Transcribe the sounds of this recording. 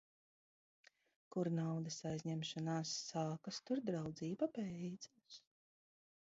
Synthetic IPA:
kuɾnawd̪ɐsajzʲɲɛmʃanaːsːaːkast̪uɾd̪ɾawd̪ziːbapɛjd̪zas

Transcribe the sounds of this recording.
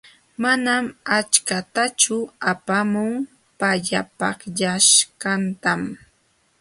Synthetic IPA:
manamat͡ʃkat̪at͡ʃʊapamʊŋ | paʎapɑχʎaʃkant̪am

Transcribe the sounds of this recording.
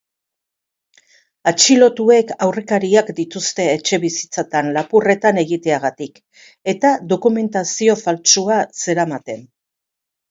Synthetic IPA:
at͡ʃilo̞t̪ue̞kawre̞kaɾiakd̪it̪ust̪e̞ːt͡ʃe̞βisi̥t͡sat̪anlapure̞t̪ane̞ɣit̪e̞aɣ̞at̪ik | e̞t̪aðo̞kume̞nt̪asio̞falt͡suase̞ɾamat̪e̞n

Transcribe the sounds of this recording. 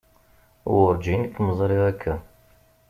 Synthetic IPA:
wʊɾd͡ʒinkːməzˤɾˤiʁækʰːæ

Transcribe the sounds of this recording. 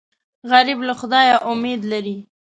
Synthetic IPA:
ɣaɾɪblaxʊd̪ɑjaʔʊmed̪laɾi

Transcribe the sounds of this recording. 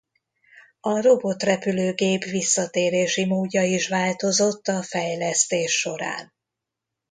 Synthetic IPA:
ɒro̞bo̞t̪rɛpyløːɡeːpʋisːɒt̪eːɾeːʃimoːɟːɒiʃʋaːlt̪o̞zo̞t̪ːɒfɛjlɛst̪eːʃːo̞ɾa̰ːn

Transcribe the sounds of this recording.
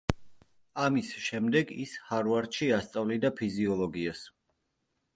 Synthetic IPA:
amisʃɛmd̪ɛɡḭshaɾuvaɾt̪ʃiast̪sʼavlid̪apʰiziɔlˠɔɡias

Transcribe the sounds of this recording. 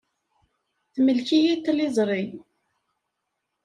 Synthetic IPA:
θməlçijit̪ːlɪzˤɾˤi

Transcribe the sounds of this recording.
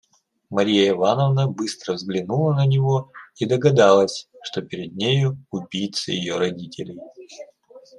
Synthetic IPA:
mɐɾʲijəɪvanəvnəbɨst̪ɾəvzɡlʲɪnulˠənənʲɪvo̞id̪əɡɐd̪ɑlˠəsʲʂt̪o̞pʲɪɾʲɪd̪̚nʲejʊʊbʲijt̪sə̰jɪ̰joɾɐdʲitʲɪlʲɪj

